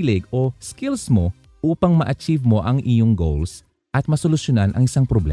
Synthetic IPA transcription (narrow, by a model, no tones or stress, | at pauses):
lɪɡoskilsmo̞ | ʔuːpɐŋmɐʔɐt͡ʃivmo̞ʔɐŋʔɪjoŋɡowls | ʔɐt̪̚mɐsolʊʃjonanʔɐ̰ŋɪsaŋpɾoblɛ̰